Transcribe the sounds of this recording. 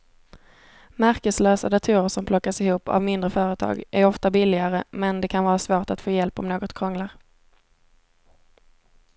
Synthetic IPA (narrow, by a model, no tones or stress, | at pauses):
mæɾkəsløːsa̰d̪at̪ʰʉːɾəʂɔmpʰlɔkːasɪhuːpa̰vmɪnd̪ɾəfœːɾət̪ʰɑ̰ːɡʔæɾɔft̪abɪlːɪɡaɾəmɛnd̪ɛkʰanvɑːɾasvoːʈat̪foːjɛlpɔ̰mnoːɡɔt̪kʰɾɔŋlaɾ